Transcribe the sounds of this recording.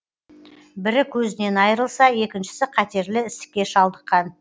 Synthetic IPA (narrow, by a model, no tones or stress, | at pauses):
bɪɾɪkʲʰɵzɪne̞nɑjəɾəlˠsɑje̞kʲɪnʃɪ̥sɪqʰɑt̪e̞ɾlɪɪst̪ɪ̥k̚ʲːe̞ʃɑlˠd̪əqːɑn